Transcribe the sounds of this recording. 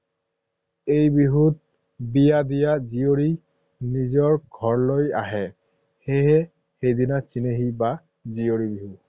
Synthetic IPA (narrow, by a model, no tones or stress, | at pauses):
ejbiɦut̚ | bijadijazijoɹi | nizɔɹɡʱɔɹloja̰ɦɛ | heɦɛ | xejdinat͡ʃineɦiba | zioɹibiɦu